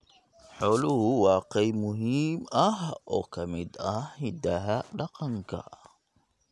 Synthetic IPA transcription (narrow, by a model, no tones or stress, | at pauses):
ħɔːlʊhʊwɑːqɛjmʊɦiːmɐɦɔːkʰɐmɪd̪ɐhhɪd̪ɐɦɐɖɑqɑŋkʰɐ̰